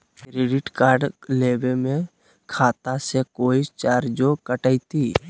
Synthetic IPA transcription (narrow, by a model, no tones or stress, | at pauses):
kɾeːɖɪʈkaːɾɖleːbemẽ | kʰaːt̪asekoːit͡ʃaːɾd͡ʒokəʈəit̪i